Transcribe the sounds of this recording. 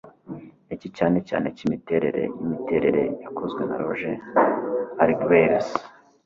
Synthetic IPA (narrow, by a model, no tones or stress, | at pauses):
ecicaːne̞ca̰ːne̞cimite̞ːɾe̞̰ɾe̞̰jimite̞ːɾe̞ɾe̞̰jakozɡwe̞na̰ɾoʒe | aɾiɡbeɾus